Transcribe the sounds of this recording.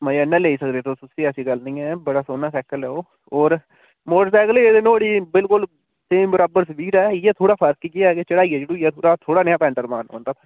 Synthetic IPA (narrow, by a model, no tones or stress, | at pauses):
məiənːɛ̃ːleːiːsəkd̪eːt̪oːsʊsiːəsiːɡəlnĩːɛːbəɽaːsoːnaːsɛːkəlɛːoː | oːɾ | moːʈəsɛːəkleeːd̪ɪnõːəɽiːbɪlkʊl | seːmbəɾaːbəɾsʋiːʈɛːɛːt̪ʰoːɽaːpʰəɾkikɪaket͡ʃəɽaːiːɛːd͡ʒeːɽõjɛːt̪ʰoːɽaːt̪ʰoːɽaːnejaːpɛ̃ːɳʈəɾmaːnɦo̰ːnd̪aːt̪ʰː